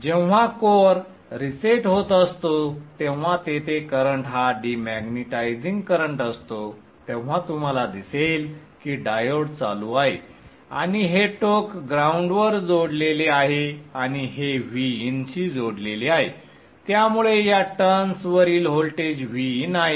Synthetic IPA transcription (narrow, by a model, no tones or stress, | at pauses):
d͡ʑeʋ̤akoɾ | ɾiseʈɦot̪əst̪ot̪ẽʋ̤̃at̪et̪ʰekəɾəɳʈɦaɖimæɡniʈajd͡ziŋɡkəɾəɳʈəst̪o | t̪ẽʋ̤at̪um̤alad̪isel | kiːɖajoɽt͡sa̰luːaɦḛ | a̰ɽ̃iɦeʈokɡɾauɳɖʋəɾd͡zoɽleleaɦeaɽ̃iɦeʋiːnt͡ɕiːd͡zoɽleliaɦḛ | t̪jamuɭejaʈənsʋəɾiːlɦolʈed͡ʑʋiːnaɦe